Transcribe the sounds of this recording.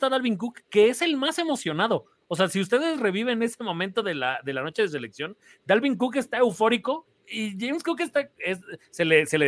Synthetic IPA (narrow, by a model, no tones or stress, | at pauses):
t̪aðalβiŋk̬ukːe̞ese̞lmase̞mo̞sjo̞naðo̞ | ose̞asiust̪e̞ðe̞sre̞βiβe̞nnese̞mõ̞mẽnt̪oðe̞laðe̞lano̞t͡ʃe̞ð̞es̬e̞le̞ksjo̞n | d̪alβiŋk̬uke̞st̪ae̞wfo̞ɾiko̞ | iʝejmskukest̪aesselese̞le